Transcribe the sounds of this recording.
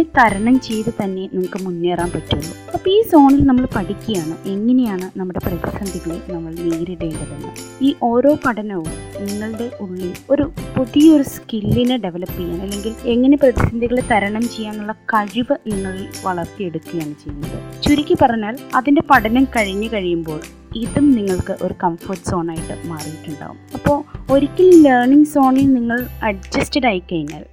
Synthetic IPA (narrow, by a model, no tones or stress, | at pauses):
et̪ɐɾɐɳɐmt͡ɕe̞jt̪ɨt̪ɐnːe̞niŋːɐkːɨmunːe̞ːraːmpɐtːuulːɐ | ɐpːoiːso̞ːɳilnɐmːɐɭpɐʈikʲːujaːɳɨʔe̞ŋːɐne̞jaːɳɨnɐmːuɽe̞prɐðisɐnd̪ʱiɣɐɭenɐmːɐɭniːɾiɽeːɳɖɐðɐnːɨ̰ | iːʔo̞ːɾo̞ːpɐʈʰɐnɐʋumniŋːɐɭɨɽe̞ʔuɭːio̞ɾupuðijɐoɾuskilːinɨɖe̞ʋɐlɐpːijːaːnɐlːe̞ŋɡile̞ŋːɐne̞prɐðisɐnd̪ʱiɣɐɭet̪ɐɾɐɳɐmt͡ɕe̞jːaːnːuɭːɐkɐɻiʋɐniŋːɐɭilʋɐɭɐrt̪ije̞ɽukːujaːɳɨt͡ɕe̞jːunːɐðɨt͡ɕuɾikʲːɨpɐrɐɲːaːlɐðinde̞pɐʈʰɐnɐmkɐɻiɲːɨkɐɻijumbo̞ːɭ | iðumniŋːɐɭkɨʔo̞̰ɾukɐmforʈɨ̥so̞ːnaːjiʈːɨmaːriɾikʲːuɳɖa̰ːɣṵmɐpːo̞ːɭo̞ɾikʲːilleːrɳiŋɡso̞ːɳilniŋːɐɭɐɖd͡ʑɐstɐɽaːjikʲːɐjinːa̰ːl